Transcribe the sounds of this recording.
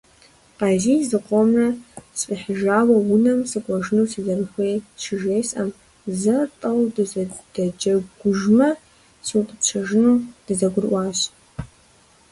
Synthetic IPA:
qɑziːzɨqʷʼɔmrɐsfʼiħɪʒaːwɐwʊnɐmsɨkʷʼɔʒnusɨzɐrɨxʷejʃɪʒeːsʔɐm | zɐtʼɐwdɨzd̥ɐd͡ʒɐɡʷʊʒmɐ | sɨwqʼəpt͡ɕʷʰɐʒnud̥ɨzɐɡʷʊrʔʷɑːɕ

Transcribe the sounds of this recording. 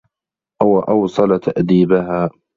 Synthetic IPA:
ʔawaʔɑwsˤɑlat̪ʰaʔd̪iːbaɦaː

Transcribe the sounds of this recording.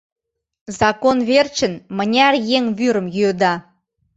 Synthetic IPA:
zɑkonβert͡ɕə̆nmə̆nʲærjeŋβyɾə̆mjyød̪ɑ

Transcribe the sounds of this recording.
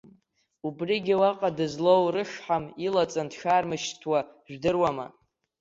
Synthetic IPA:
ubriɡʲiwaqʼadɨzlowrɨʂħamilat͡sʼandʃarmɨʃtʰwaʒʷᶣdɨrwama̰

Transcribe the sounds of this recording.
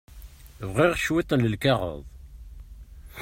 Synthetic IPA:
vʁiʁʃwit̪ˤːənləlkɑʁə̰ðˤ

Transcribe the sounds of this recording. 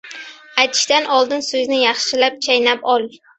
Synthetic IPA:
ajt̪ʰɪ̥ʃt̪anʔɒlˠd̪ɪnsɵznɪjɑχʃɪlap̚t͡ʃʰajnapɒlˠ

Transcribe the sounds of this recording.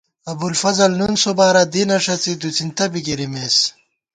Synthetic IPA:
ɐbulfɐzɐlnunsobaːɾɐd̪inɐʂɐt͡sid̪ut͡sint̪ɐbiɡiɾimeːs

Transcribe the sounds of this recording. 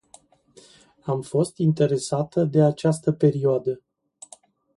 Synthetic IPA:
amfo̞st̪int̪e̞ɾe̞sat̪əd̪e̞at͡ʃast̪əpe̞ɾioad̪ə

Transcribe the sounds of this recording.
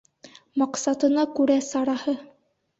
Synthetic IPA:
mɑqsɑt̪ɤ̆nɑkʉɾæsɑɾɑhɤ

